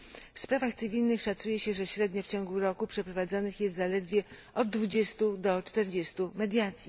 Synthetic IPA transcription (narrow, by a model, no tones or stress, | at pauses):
fspɾavaxt̪sɘvʲilnɘxʂat̪sujɛɕɛʐɛɕɾɛd̪ɲɔft͡ɕɔ̃ŋɡuɾɔkupʂɛpɾɔvad̪zɔnɘxjɛst̪zalɛd̪vʲjɛ | ɔd̪̚ːvud͡ʑɛst̪ud̪ɔt͡ʂt̪ɛɾd͡ʑest̪umɛd̪ʲjat̪sʲji